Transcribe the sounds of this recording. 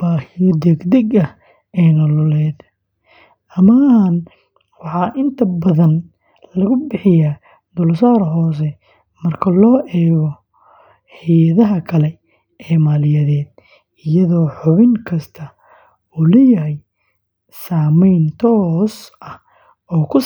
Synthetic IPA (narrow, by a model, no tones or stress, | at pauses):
b̥aːhɪjɔd̪ɛɡd̪ɛɡɐh | ɛːnɐlɔlɛːd̪ | ɐman | wɑħɑːʔɪnt̪ʰɐbɐðɐn | lɐɣʊbɪħɪjaː | d̪ʊlsaːɾɦɔːs̬ɛ | mɐrkʰɐlɔːʔɛːɣɔ | ħɪjɐðɐɦɐkʰɐlɛ | ɛːmaːlɪjɐðɛːd̪ | ɪjɐðɔːħʊβɪŋkʰɐst̪ʰɐ | uːlɛjɐɦɛj | saːmɛjnt̪ʰɔːsɐh | ɔːkʰʊ